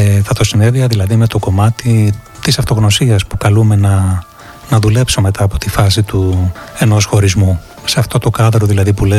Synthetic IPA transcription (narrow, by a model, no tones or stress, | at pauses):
θɐt̪o̞sineðiɐðilɐðime̞t̪o̞ko̞mɐt̪i | t̪isɐft̪o̞ɣno̞siɐspukɐlume̞nɐ | nɐðule̞psome̞t̪ʰɐːpo̞t̪ifɐs̬it̪ue̞no̞sxo̞ɾizmu | se̞ɐft̪o̞t̪o̞kɐðɾo̞ðilɐðipule